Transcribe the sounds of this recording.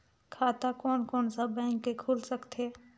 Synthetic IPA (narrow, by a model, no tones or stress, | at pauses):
kʰaːt̪akoːnkoːnsəbɛ̃ːŋkːekʰoːlsəkt̪ʰeː